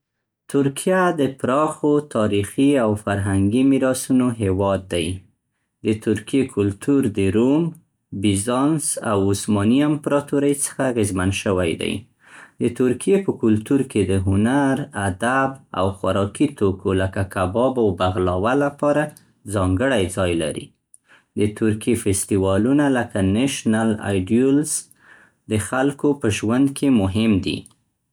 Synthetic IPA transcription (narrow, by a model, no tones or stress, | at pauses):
t̪ʊɾkʰijad̪əpɾɑxot̪ʰɑɾixiawfaɾɦaŋɡimiɾɑsunoɦewɑd̪ːaj | d̪ət̪ʊɾkijekʰʊlt̪uɾd̪əɾum | bizɑnsa̰wʊsmɑniampɾɑt̪uɾəjt͡sə̥xaɣɪzmanʃəwajd̪a̰j | d̪ət̪ʊɾkijepəkʊlt̪uɾked̪əɦʊnaɾad̪aba̰wxwʊɾɑkit̪okʰoləkakabɑbawbaɣlɑwalapɑɾa | d͡zɑŋɡəɽajd͡zɑjla̰ɾḭ | d̪ət̪ʊɾkjefɪst̪iwɑlunaləkanaʃnala̰jɖjuls | d̪əxalkopəʒwand̪kʰemʊɦɪmd̪ḭ